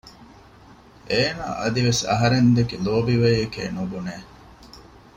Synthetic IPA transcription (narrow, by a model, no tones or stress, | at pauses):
ʔeːna̰ːʔɐd̪iʋesɐ̰ɦɐɾend̪ekiloːbiʋejɐkḛːnubuneː